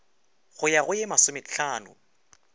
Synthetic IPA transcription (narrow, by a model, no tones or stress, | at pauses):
ɣʊjaɣʊjemasʊmɪɬaːnʊ̰